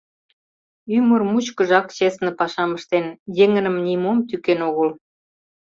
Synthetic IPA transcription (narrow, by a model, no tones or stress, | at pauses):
ymərmut͡ɕkə̆ʒɑkt͡ɕesnĕpɑʃɑməʃt̪enjeŋənə̆mnʲimomt̪ykenoɣəl